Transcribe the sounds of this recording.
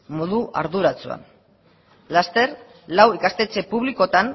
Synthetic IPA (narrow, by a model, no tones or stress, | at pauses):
moðuʔa̰ɾðuɾat͡sua̰n | last̪e̞r | lawikast̪et͡se̞puβliko̞t̪an